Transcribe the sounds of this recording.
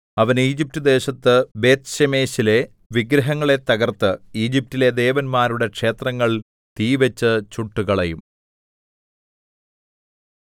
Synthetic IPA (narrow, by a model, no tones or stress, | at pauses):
ɐʋɐniːd͡ʑip̚tɐd̪e̞ːɕɐt̪ːɨbe̞ːt̪ɕeme̞ːɕile̞ | ʋiɡɾɐɦɐŋːɐɭe̞t̪ɐɣɐrt̪ɨiːd͡ʑip̚tːile̞d̪e̞ːʋɐnmaːɾuɽe̞kʂe̞ːt̪rɐŋːɐɭ | t̪iːʋɐt͡ɕːɨt͡ɕuʈːuɣɐɭɐjum